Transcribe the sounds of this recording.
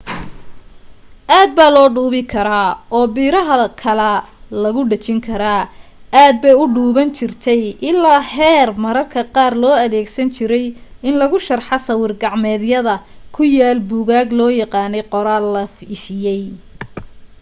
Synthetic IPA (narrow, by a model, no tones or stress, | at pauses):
ʔaːd̪̚baːlɔːɖuːβɪkʰɐɾaːɔːbiːɾɐɦɐkʰɐlɛlɐɣʊɖɐt͡ʃɪŋkʰɐɾaːaːd̪̚bɛjʊɖuːβɐnt͡ʃʰɪrt̪ʰɛjʔɪlaːhɛːrmɐɾɐrkʰɐqɑːrlɔːɐðɛːɡsɐnt͡ʃʰɪɾɛjɪnlɐɣʊʃɐrħɑsɐwɪrɡɑʕmɛːðjɐðɐkʰʊjaːlbuːɣaːɡlɔːjɑqɑːnɛjqɔɾaːlɐfɪʃɪjɛj